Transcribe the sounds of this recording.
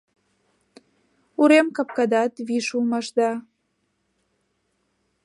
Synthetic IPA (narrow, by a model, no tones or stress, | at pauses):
uɾemkɑp̚kɑd̪ɑt̪βiʃulmɑʃd̪ɑ